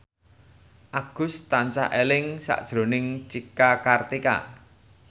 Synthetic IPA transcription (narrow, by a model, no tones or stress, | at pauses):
ʔaɡ̥ʊ̤st̪ant͡ʃa̰ʔelɪŋsa̰ʔd̥ʒ̥ɾo̤nɪŋt͡ʃikakart̪ika̰